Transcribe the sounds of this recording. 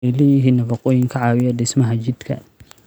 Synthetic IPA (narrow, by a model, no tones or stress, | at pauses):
ɪlɛjɪɦiːnːɐfɑqʼɔːjɪŋkʰɐʕɑːwɪjɐɖɪsmɐɦɐt͡ʃɪd̪kʰɐ̰